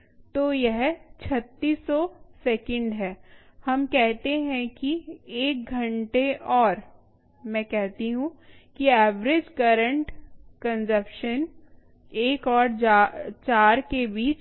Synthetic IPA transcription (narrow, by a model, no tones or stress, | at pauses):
t̪oːjɛɦt͡ʃʰɐt̪ːiːsːɔsɛːkə̃ɳɖɦɛːhɐmkɛɦt̪eɦɛ̃kieːk̚ɡʱɐ̃ɳʈeʔɔːɾ | mɛ̃kɛɦt̪iɦũkiɛːʋɾɪd͡ʒkɐɾə̃ɳʈkə̃nsəpʃən | eːkɔːɾat͡ʃaːɾkebiːt͡ʃ